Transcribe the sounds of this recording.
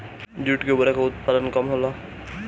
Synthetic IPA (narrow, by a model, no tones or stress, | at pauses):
d͡ʒuʈkebəɾakaʊt̪̚palənkəmɦola